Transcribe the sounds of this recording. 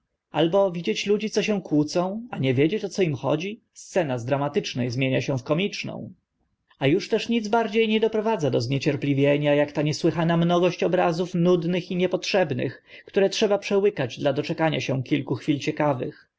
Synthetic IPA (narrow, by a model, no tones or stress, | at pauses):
a̰lbɔvʲid͡ʑet͡ɕlud͡ʑit̪sɔɕ̬ɛw̃kwut̪sɔ̃w̃aɲɛvʲjed͡ʑet͡ɕɔt̪sɔimxɔ̰d͡ʑi | st̪sɛnazd̪ɾamat̪ɘt͡ʂnɛjzmʲjeɲaɕɛ̃fkɔmʲit͡ʂnɔ̰̃w̃ | ajuʂt̪ɛʂɲid̪zbaɾd͡ʑejɲɛd̪ɔpɾɔvad̪zad̪ɔzɲet͡ɕɛɾplʲivʲjeɲajakt̪aɲɛswɘxanamnɔɡɔɕt͡ɕɔbɾazufnud̪nɘxiɲɛpɔtʂɛbnɘ̰xkt̪uɾɛtʂɛbapʂɛwɘkad͡ʑd̪lad̪ɔt͡ʂɛkaɲa̰ɕɛw̃kʲilkuxfʲilt͡ɕɛkavɘ̰x